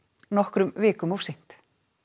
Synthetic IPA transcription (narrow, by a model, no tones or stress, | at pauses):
nɔhkɾʏmvɪːkʏmɔfsɪjn̥t̪